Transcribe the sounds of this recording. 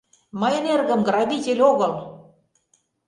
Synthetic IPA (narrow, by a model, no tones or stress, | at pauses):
mɤjnerɣə̆mɡrɑβit̪ʲelʲoɣɤ̆l